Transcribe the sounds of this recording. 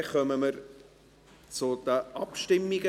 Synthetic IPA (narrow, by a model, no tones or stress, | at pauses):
χœməməɾ | t͡sʊd̪̥əʔɑpʃtɪmːiɡ̥ə